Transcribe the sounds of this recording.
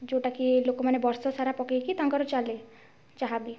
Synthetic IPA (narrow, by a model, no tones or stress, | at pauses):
d͡ʒoʈakilokomanebɔɾsɔsaɾapɔkekit̪ãŋɡɔɾɔt͡ʃale | t͡ʃaɦabi